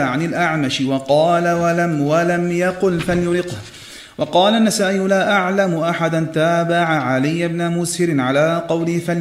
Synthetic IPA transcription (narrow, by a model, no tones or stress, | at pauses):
aʕanɪlʔaʕmaʃɪwɑqɑːlaalamwalamjɑqʊlfaljʊlɪqh | wɑqɑːlanːasaːʔɪjlaːʔaʕlamʊʔaħad̪ant̪aːbaʕaʕalɪjːabnamʊshɪɾɪnʕalaːqɑwlɪhfal